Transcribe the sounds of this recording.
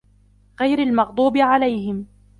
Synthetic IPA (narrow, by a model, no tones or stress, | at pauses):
ɣajɾalmɑɣd̪ˤuːbɪʕalajhɪm